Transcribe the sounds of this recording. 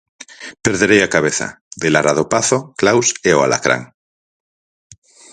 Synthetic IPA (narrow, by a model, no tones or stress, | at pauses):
peɾðeɾejakaβ̞eθa̰ | d̪elaɾað̞opaθoklawseoa̰la̰kɾa̰ŋ